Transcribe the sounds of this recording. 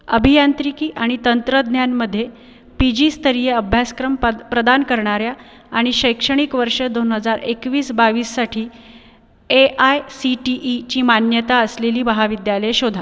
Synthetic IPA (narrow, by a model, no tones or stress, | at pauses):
ə̰bʱijant̪ɾikiːʔaɽ̃it̪ənt̪ɾəd̪njanməd̪ʱːje | pid͡ʑiːst̪əɾijeəbʱjaskɾəmpɾəd̪ankəɾɳaɾjaː | ɽ̃iɕəjkʂəɽ̃ikʋəɾʂəd̪onɦəd͡zaɾekʋiːsbaʋiːsːaʈʰiː | eʔajsiʈiʔt͡ɕiːmanjət̪aəsleliːbəɦaʋid̪jaləjɕod̪ʱa